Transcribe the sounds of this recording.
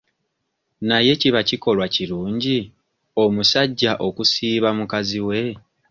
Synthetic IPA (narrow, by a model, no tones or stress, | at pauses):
naje̞ciβaciko̞lwaciɾuːɲɟi | o̞musaɟːaʔo̞kusiːβamukaziwe̞